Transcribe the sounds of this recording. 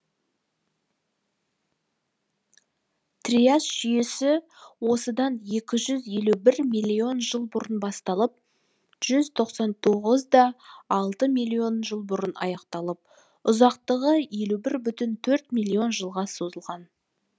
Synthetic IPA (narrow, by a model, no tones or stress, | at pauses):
t̪riasʒ̥ʏje̞sɪ | wo̞səd̪ɑnje̞kʲɪʒʏzje̞lubɪɾmilʲːio̞nʒəlˠbʊɾənbɑst̪ɑlˠəp̚ | ʒ̥ʏzt̪ʰo̞qsɑnt̪ʰo̞ʁəzd̪ɑɑlˠt̪əmilʲio̞nʒəlˠbʊɾənɑ̰jɑqt̪ɑlˠəp̚ | ʊzɑqt̪əʁəje̞lubɪɾbʏt̪ɪnt̪ʰɵɾt̪milʲːio̞nʒəlˠʁɑso̞zəlˠʁɑn